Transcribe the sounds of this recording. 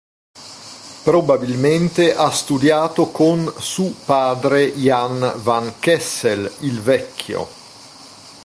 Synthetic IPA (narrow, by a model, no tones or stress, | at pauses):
pɾobabilment̪eʔast̪ud̪jaːt̪okonsupaːd̪ɾejanvankɛsːelilvɛkʰːjo̰